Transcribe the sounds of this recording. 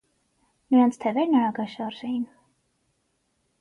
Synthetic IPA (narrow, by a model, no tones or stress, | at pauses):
miant̪sʰt̪ʰɛvɛɾnaːɡaʃaɾzɛjn